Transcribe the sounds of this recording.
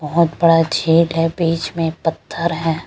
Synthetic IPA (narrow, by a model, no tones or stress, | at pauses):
bɐɦʊt̪bɐɽad͡ʒʱiːlɦɛbiːt͡ʃmẽpɐt̪ʰːəɾɦɛː